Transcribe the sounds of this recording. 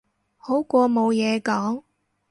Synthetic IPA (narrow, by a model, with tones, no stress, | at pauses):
ho˨˥wkʷɔː˧mo˨˧wjɛː˨˧kɔː˨˥ŋ